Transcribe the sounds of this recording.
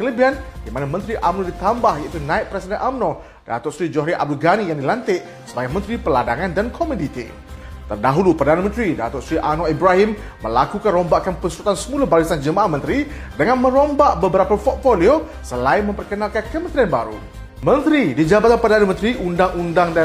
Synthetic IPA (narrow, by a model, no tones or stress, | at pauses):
kələbiɦandimanamə̃nt̪ɾiʔamnodit̪ambahjait̪unãɪt̪̚pɾɛsidɛnʔamno | d̥a̰t̪ɔsɾid͡ʒɔhɾiʔa̰bduɡanijaŋdilant̪ɪʔ | səbaɡajmə̃nt̪ɾipəladaŋãndankʰomudit̪ḭ | t̪ərdaɦulupərədanamə̃nt̪ɾida̰t̪ʊsɾiʔanoibɾaɦimː | əlakukanrombaʔkanpənsɾut̪ansəmulabalisand͡ʒəmãʔahmə̃nt̪ɾi | dəŋanmə̃ɾombaʔbəbəɾapapɔt̪̚folio | səlaɪnmə̃mpərkənalkankəmə̃nt̪ɾianba̰ɾṵ | mə̃nt̪ɾidid͡ʒabat̪anpərdanamə̃nt̪ɾiʔundaŋundaŋda